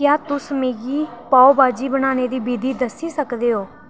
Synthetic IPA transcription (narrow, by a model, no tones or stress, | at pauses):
jaːt̪ʊsmeːɡiːpaːobaːd͡ʒiːbənaːneːd̪iːbiːd̪iːd̪əsiːsəkd̪eːɦoː